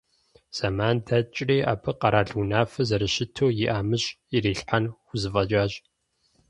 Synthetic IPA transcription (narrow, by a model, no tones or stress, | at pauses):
z̥amaːndʰɐt͡ʃʼriːʔa̰ːpʰɐqɐɾaːɮʊnaːfɐzɐɾɨʃɪtʰoːjɪʔaːmɨɕʼ | iɾiːɬħanxʷʊzɨfɐd͡ʒaːɕʼ